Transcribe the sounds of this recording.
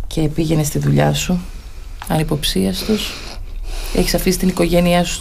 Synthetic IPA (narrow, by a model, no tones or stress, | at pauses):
cʰe̞piʝe̞ne̞st̪iðuʎɐsu | ɐnipo̞psiɐst̪os | e̞çisɐfisi̥t̪iniko̞ʝe̞niɐsu̥s